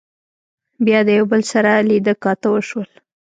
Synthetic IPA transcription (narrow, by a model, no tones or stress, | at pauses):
bjɑd̪əjawbəlsaɾalid̪əkɑt̪awəʃwəl